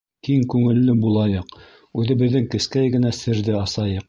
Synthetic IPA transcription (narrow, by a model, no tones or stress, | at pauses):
kiŋkʉŋɘ̆lːɘbulˠɑjɤq | ʉðɘ̆bɘ̆ðːɘŋkɘ̆skæjɡɘ̆næsɘ̆ɾðɘɑsɑjɤq̚